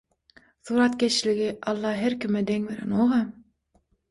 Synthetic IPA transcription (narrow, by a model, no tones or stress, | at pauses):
suːɾɑt̪kʲet͡ʃliɡiʔɑlˠːɑɦeɾkʲimɛd̪eŋveɾḛnoʁɑ